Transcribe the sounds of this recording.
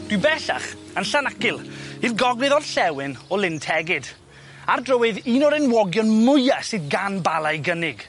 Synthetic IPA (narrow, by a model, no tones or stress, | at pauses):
d̥wɨbɛɬa̰χ | ənɬanakɪlˠirɡɔɡrɨðɔd̥ɬɛwɪnɔlɪntʰɛɡɪd | ardrəwɪðiːnɔɾɪnwɔɡjɔnmʊjasɨdɡanbalˠajɡənɪɡ̥